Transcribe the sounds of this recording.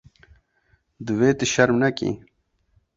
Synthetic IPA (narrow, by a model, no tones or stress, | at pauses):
d̪uweːt̪iɕɐɾmnɐkḭ̃ː